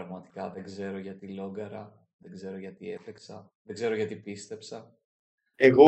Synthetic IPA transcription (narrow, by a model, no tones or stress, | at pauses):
ɾɐɣmɐt̪i̥kɐðeɡze̞ɾo̞ʝɐt̪ilo̞ɡɐɾɐ | ðeɡze̞ɾo̞ʝɐt̪ie̞feksɐðeɡze̞ɾoʝɐt̪ipist̪e̞psɐ | eɣo